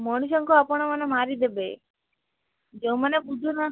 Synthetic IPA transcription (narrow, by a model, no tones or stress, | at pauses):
mɔɽ̃uʃ̬ɔŋkoapɔɽ̃ɔmənemaɾid̪ebe | d͡ʒeũmənebud͡ʒ̪ʱuna